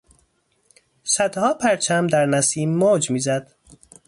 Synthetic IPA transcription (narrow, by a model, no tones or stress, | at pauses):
sæd̪hɒːpʰæɾt͡ʃʰæmd̪æɾnæsiːmːoːd͡ʒmiːzæd̪̥